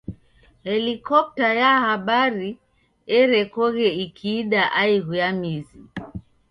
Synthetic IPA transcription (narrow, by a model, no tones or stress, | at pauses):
hɛlikɔp̚tajahaɓaɾi | ɛɾɛkɔɣɛikʰiːɗaʔaiɣujamizi